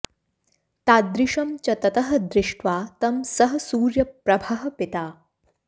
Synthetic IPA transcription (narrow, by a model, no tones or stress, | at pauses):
t̪aːd̪ɾɪʂɐmt͡ɕɐt̪ɐt̪ɐɦɐ̆d̪ɾɪʂʈʋaːt̪ɐmsɐɦɐ̆suːɾjɐpɾɐbʱaɦɐ̆pit̪aː